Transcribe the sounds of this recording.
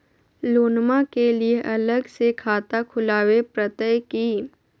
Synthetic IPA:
loːnmakelieʔɐləɡsekʰaːt̪akʰʊlaːwepɾət̪əjkiː

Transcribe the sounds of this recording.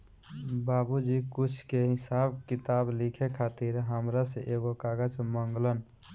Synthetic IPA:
baːbud͡ʒikʊt͡ʃʰkeɦɪsaːb̚kɪt̪aːblikʰekʰaːt̪iɾɦəmɾaseʔeːɡokaːɡəd͡ʒməŋɡlən

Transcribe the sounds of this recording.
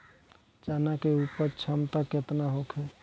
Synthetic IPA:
t͡ʃanakeupəɾt͡ʃʰəmt̪aket̪naɦokʰɛ

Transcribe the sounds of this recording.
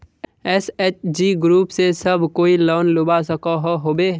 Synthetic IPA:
ɛsɛːt͡ʃd͡ʒiːɡɾuːpsesəbʱkoːiloːnlʊbasəkaɦoɦoːbeː

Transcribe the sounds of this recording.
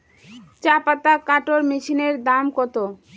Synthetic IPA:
t͡ɕapat̪akaʈoɾmiʃineɾd̪amkot̪o

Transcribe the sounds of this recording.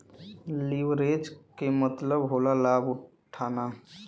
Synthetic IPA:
liʋɾeːd͡ʒkemət̪ləbɦoːlalaːbʊʈ | ʈʰːaːna

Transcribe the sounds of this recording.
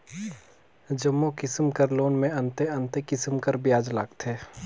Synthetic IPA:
d͡ʒəmːokɪsmkəɾloːnmẽɐ̃nt̪eɐ̃nt̪ekɪsmkəɾbɪjaːd͡ʒlaɡt̪ʰeː

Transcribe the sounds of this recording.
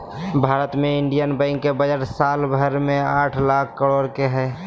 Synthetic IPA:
bʱaːɾət̪mẽɪɳɖijənbə̃ɪŋɡkebəd͡ʒəʈsaːlbʱəɾmẽaːʈʰlakʰːəɽoːɾkeɦɛː

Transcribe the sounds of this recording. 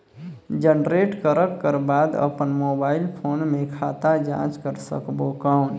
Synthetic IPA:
d͡ʒənɖɾeːʈkəɾəkːəɾbaːd̪ə̰pənmoːbaːɪlpʰoːnmẽkʰaːt̪ad͡ʒã̰ːt͡ʃkəɾsə̰kbokaʊn

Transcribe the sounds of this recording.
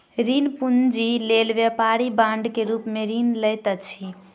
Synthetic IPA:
ɾinpund͡ʒilelʋepaɾibãɳɖkeɾupmeɾinləjt̪ət͡ʃʰi

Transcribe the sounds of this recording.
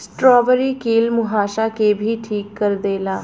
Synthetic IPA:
sʈɾɔːʋəɾiːkiːlmʊɦaːʃaːkebʱiːʈʰiːkːəɾd̪eːlaː

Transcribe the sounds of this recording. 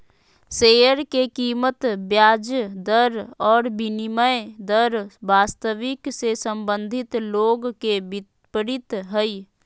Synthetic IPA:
sejəɾkekiːmət̪bjaːd͡ʒəd̪əɾɔːɾbiniməjd̪əɾbaːst̪əʋiksesəmbənd̪ʱit̪loɡkebit̪ | pəɾit̪ɦəj

